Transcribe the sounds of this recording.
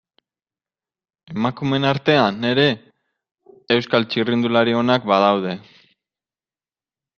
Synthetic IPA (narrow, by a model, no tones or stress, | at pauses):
e̞makume̞naɾt̪e̞ane̞ɾe̞ | wskalt͡ʃirind̪ulaɾio̞nakbað̞awð̞e̞